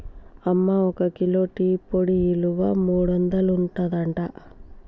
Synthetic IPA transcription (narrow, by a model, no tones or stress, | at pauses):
ɐmːaɔkɐkilo̞ːʈiːpoɽiiluʋamuːɽuɐnd̪ɐluɳʈɐd̪ɐɳʈa